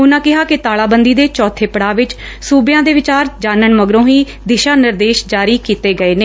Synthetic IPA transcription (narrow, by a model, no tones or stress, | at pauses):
ʊnãːkɪɦaːkɪt̪aːɭaːbənd̪iːd̪eːt͡ʃɔːt̪ʰeːpəɽaːʋɪt͡ʃ | suːbɪjãːd̪eːʋɪt͡ʃaːɾd͡ʒaːnəɳməɡɾõːɦiː | d̪ɪʃaːnɪɾd̪eːʃd͡ʒaːɾiːkiːt̪eːɡəeːneː